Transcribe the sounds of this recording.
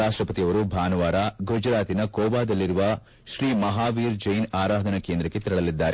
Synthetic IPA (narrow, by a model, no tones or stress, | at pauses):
aːʂʈɾɐpɐt̪ijɐʋɐɾubʱaːnɐʋaːɾaɡʱud͡ʒɐɾaːt̪inɐkɔːbaːd̪ɐlːiɾuʋɐ | ʃɾiːmɐɦaːʋiːɾd͡ʒɐjnaːɾaːd̪ʱɐnɐke̞ːnd̪ɾɐkːe̞t̪iɾɐɭɐlid̪ːaːɾe